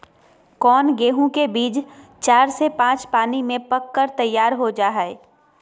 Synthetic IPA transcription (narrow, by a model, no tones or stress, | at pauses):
kɔːnɡeːɦũkebiːd͡ʒ | t͡ʃaːɾsepãːt͡ʃpaːnimẽpɐkːəɾt̪ɐjːaːɾɦod͡ʒaːɦɛe